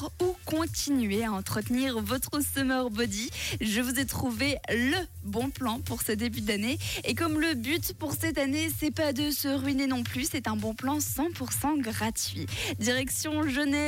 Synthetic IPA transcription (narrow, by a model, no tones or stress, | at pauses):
ukɔ̃t̪inɥeaɑ̃t̪χət̪niʁvɔt̪χəsɔmœʁbɔd̪iʒəvuzɛt̪χuvelə | bɔ̃plɑ̃puʁsəd̪ebyd̪aneːkɔmləbyt̪puʁsɛt̪anesɛpad̪əsəʁɥinenɔ̃plysɛt̪ɛ̃bɔ̃plɑ̃sɑ̃puʁsɑ̃ɡʁat̪ɥid̪iʁɛksjɔ̃ʒonɛ